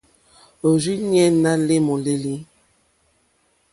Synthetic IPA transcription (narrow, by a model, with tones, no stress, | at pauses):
o˨zi˦ɲɛ˦na˦le˦mɔ˨le˦li˦